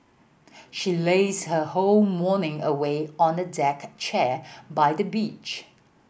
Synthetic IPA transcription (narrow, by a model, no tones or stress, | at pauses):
ʃileɪzhəholˠmɔnɪ̃ŋəweɔ̃nədɛkt͡ʃʰɛbaɪdəbit͡ʃ